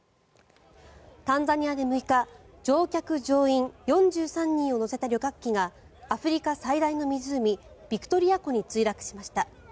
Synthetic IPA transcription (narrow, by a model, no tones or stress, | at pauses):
t̪ãnd͡zaɲ̟iad̪e̞mɯ̟ika | d͡ʑo̞ːkʲakɯ̟d͡ʑo̞ːĩŋjõ̞ɲd͡ʑɨːsãɲ̟ːĩɰ̃o̞no̞se̞t̪aɾʲjo̞kakʲːiŋaː | ɸɯ̟ɾʲikasaid̪aino̞mʲizɨɯmʲib̥ʲikɯ̟̥t̪o̞ɾʲijako̞ɲ̟it͡sɨiɾakɯ̟̥ɕimaɕi̥t̪a